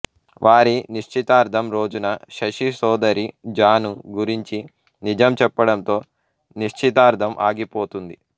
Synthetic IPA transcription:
ʋʔaːɾiniʂt͡ʃit̪aːɾd̪ʱɐmɾo̞ːd͡ʒunɐʃɐʂisɔːd̪ɐɾid͡ʒaːnuɡuɾiɲt͡ʃi | nid͡ʒɐmt͡ʃɛpːɐɽɐnt̪o̞ː | niʂt͡ʃit̪aːɾd̪ʱɐmʔa̰ːɡipo̞ːt̪und̪i

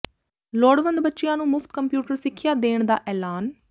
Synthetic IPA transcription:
loːɽʋənd̪bətːʃɪjãːnũːmʊft̪kəmpjuːʈəɾsɪkʰːɪjaːd̪eːɳ̃d̪a̰ːʔɛːlaːn

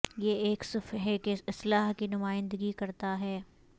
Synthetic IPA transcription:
jeeːksʊfɦɛkeɪslaːɦkinʊmaːɪ̃nd̪əɡikɐɾt̪aɦɛː

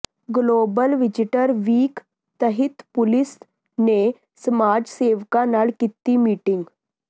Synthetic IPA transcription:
ɡlobəlʋid͡ʑiʈəɾʋiːk | t̪əɦit̪pulis | ne | səmad͡ʑseʋkanaɭkit̪ːiːmiʈiŋɡ

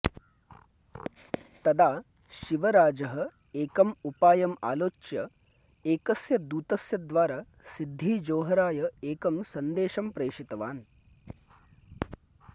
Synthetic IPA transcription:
t̪ɐd̪aː | ʃiʋɐɾaːd͡ʒɐɦɐ̆ | eːkɐmupaːjɐma̰ːloːt͡ʃjɐ | eːkɐsjɐd̪uːt̪ɐsjɐd̪ʋaːɾaː | sid̪ʱːiːd͡ʒoːɦɐɾaːjɐeːkɐmsɐnd̪eːʃɐmpɾeːʂit̪ɐʋa̰ːn

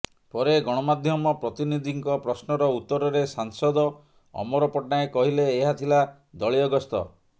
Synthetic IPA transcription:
pɔɾeɡɔɽ̃ɔmad̪ʱjɔmɔpɾɔt̪inid̪ʱiŋkɔpɾɔsnɔɾɔut̪ːɔɾɔɾesaŋsɔd̪ɔ | ɔ̰mɔɾɔpɔʈnaekɔɦileːɦat̪ʰila | d̪ɔɭiɔɡɔst̪ɔ̰

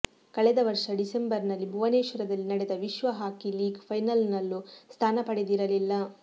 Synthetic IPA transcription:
kɐɭɛd̪ɐʋɐɾʂɐɖisembɐɾnɐlːibʱuʋɐneːʃʋɐɾɐd̪ɐlːinɐɽɛd̪ɐʋiʃʋɐɦaːkiliːɡpʰɐjnɐlnɐlːust̪ʰaːnɐpɐɽed̪iɾɐlilːɐ

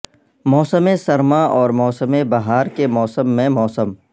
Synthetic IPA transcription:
mɔːsəmẽsɐɾmaʔɔːɾmɔːsəmebɐɦaːɾkemɔːsəmːẽmɔːsəm

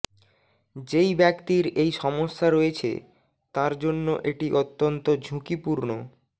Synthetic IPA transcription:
d͡ʑejbɛkt̪iɾejʃɔmoʃːaɾoet͡ɕʰḛ | t̪aɾd͡ʑonːo̰ʔeʈiʔot̪ːont̪od͡ʑʱukipuɾno

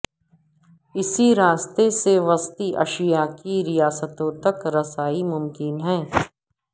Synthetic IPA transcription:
ɪsiɾaːst̪eseʋɐst̪iʔɐ̰ʃijakiɾijaːsət̪õt̪ɐkɾɐsaːimʊmkɪnɦɛ̃ː

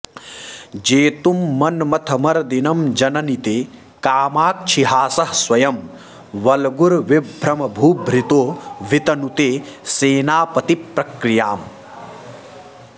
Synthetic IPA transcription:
d͡ʒeːt̪umːɐnmɐt̪ʰɐmɐɾd̪inɐmd͡ʒɐnɐnit̪eː | kaːmaːk̚t͡ʃʰiɦaːsɐhswɐjɐm | ʋɐlɡuɾʋibʱɾɐmɐbʱuːbʱɾit̪oːʋit̪ɐnut̪eːseːnaːpɐt̪ipɾɐkɾijaːm

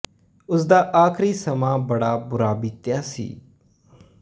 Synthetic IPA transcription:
ʊsd̪aːʔaːkʰɾiːsəmãːbəɽaːbʊɾaːbɪt̪jaːsḭː

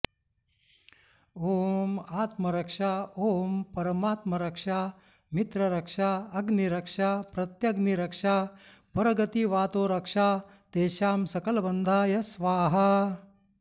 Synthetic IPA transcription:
oːmaːt̪mɐɾɐkʂaːoːmpɐɾɐmaːt̪mɐɾɐkʂaː | mit̪ɾɐɾɐkʂaːɐɡniɾɐkʂaːpɾɐt̪jɐɡniɾɐkʂaː | pɐɾɐɡɐt̪iʋaːt̪oːɾɐkʂaː | t̪eːʃaːmsɐkɐlɐbɐnd̪ʱaːjɐsʋaːɦɐ

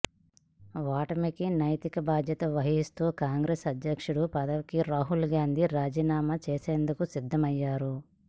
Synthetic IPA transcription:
ʋaːʈɐmikinɐjt̪ikɐbaːd̪ʱjɐt̪ɐʋɐɦist̪oːkaːŋɡɾeːsɐd̪jɐkʂuɽupɐd̪ɐʋikiɾaːɦulɡaːnd̪ʱiɾaːd͡ʒiːnaːmɐt͡ʃeːseːnd̪ukusid̪ʱːɐmɐjːaːɾu

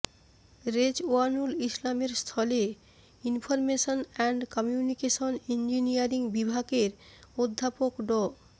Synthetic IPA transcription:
ɾed͡ʑoanulislameɾst̪ʰɔle | infʰoɾmeʃonɛɳɖkɔmjunikeʃonind͡ʑinijaɾiŋbibʱaɡeɾod̪ʱːapokɖɔ

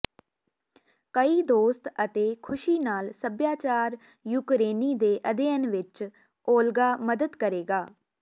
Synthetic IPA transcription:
kəiːd̪oːst̪ət̪eːkʰʊʃiːnaːlsəbjaːt͡ʃaːɾ | juːkɾeːniːd̪eːʔəd̪eːənʋɪt͡ʃ | oːlɡaːməd̪əd̪kəɾeːɡaː

